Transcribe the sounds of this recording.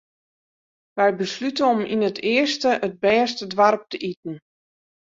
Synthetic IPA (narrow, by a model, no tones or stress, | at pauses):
ʋɛjbəslytəɔmḭnətɪəstəʔəd̚bɛːstədʋarp̚təʔitn̩